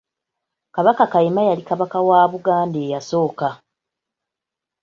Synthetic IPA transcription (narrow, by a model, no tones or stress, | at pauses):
kaβakakajemajalikaβakawaːβuɡaːnde̞ːjaso̞ːka